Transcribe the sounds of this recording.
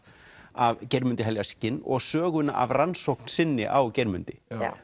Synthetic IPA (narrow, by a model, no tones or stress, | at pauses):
avcɛɾmʏnt̪ɪɦɛljascɪnɔ̰ɣsœːɣʏna̰ʔavransowkn̥sɪnːɪ̰ʔawcɛɾmʏnt̪ɪ